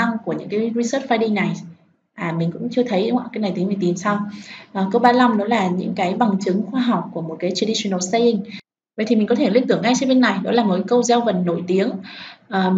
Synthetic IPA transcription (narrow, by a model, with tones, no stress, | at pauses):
a˧ŋku˧˩əɲɨ̰˧˥ŋkaː˨˦jzi˧səː˦˥t̚fa˧jɗi˧na˨˩j | ʔaː˨˩mï˨˩ŋ̟kʊ̰˧˥ŋ͡mt͡ɕɨ˧ət̪ʰə˨˦jɗŋ͡mʔa̰˧˩kaː˨˧˦jna˨˩jt̪i˨˦mi˨˩ŋt̪i˨˩nsa˧wʔəː˨˩kə˧wɓaː˧la˧mnɔ˨˦laː˨˩ɲɨ̰˧˥ŋkaː˨˦jɓa˨˩ŋt͡ɕɨ˨˦ŋxwaː˧ɦa˨˩wk͡p̚ku˧˩əmo˨˩t̚kaː˨˦jt͡ɕi˧ɗi˧su˧nə˨˧˩st̪a˧jʔi˧˩ŋ̟ | və̰˨jt̪ʰi˨˩ï˨˩ŋ̟kɔ˨˦t̪ʰe˧˩li˦˥ɨ˧˩əŋːa˧jt͡ɕɛ˧ɓe˧nːa˨˩jɗɔ˨˦laː˨˩mo˨˩kkə˧wza˧wvə˨˩n̚nːo̰˧˩jt̪i˨˦əŋʔəː˨˩